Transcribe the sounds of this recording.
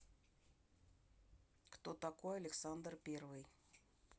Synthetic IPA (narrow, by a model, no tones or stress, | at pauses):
kt̪ot̪ɐkojɐlʲɪksand̪rpʲervɨj